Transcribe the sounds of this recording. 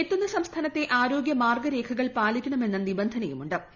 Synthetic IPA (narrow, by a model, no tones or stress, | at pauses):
et̪ːunːɐsɐmst̪ʰaːnɐt̪ːe̞ʔaːɾo̞ːɡjɐmaːrɡɐɾe̞ːkʰɐɣɐɭpaːlikʲːɐɳɐme̞nːɐnibɐnd̪ʱɐnɐjumuɳɖɨ